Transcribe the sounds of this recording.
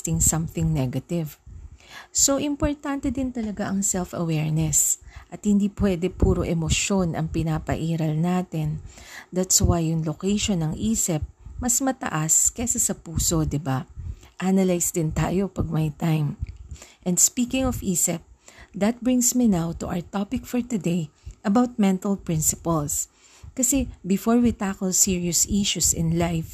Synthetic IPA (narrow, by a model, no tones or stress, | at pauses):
t̪ɪŋsɐ̃mθɪŋnɛɡɐt̪ɪv | so̞ʔɪmpoɹt̪ant̪ɛd̪ɪnt̪ɐlɐɡaʔɐŋsɛlfɐ̰wɛɹnɛsʔɐt̪̚hɪnd̪iːpwɛd̪ɛpuːɾo̞ʔɛmoʃo̞nʔɐ̰ŋpɪnaːpɐ̰ʔiːɾɐlnaːt̪ɪnd̪at̪swajːʊŋlokɛjʃonɐŋʔiːsɪp̚mɐsmɐt̪ɐ̰ʔaskɛsɐsɐpuːso̞d̪ɪbaʔanɐlajsd̪ɪnt̪a̰ːjo̞pɐɡ̚mɐjt̪ajm | ʔɛ̃nd̪spiːkɪ̃ŋɔfiːsɛp̚d̪ɐt̪̚bɹɪ̃ŋsminawt̪ʊʔa̰wɹt̪ɔpɪk̚fɔɹt̪ʊd̪ejʔɐbawt̪̚mɛ̃nt̪ɐlpɹɪ̃nsɪpɐls | kɐsɛbɪfoɹwit̪akɔlsiɹiʊsiʃusɪ̰̃nlajf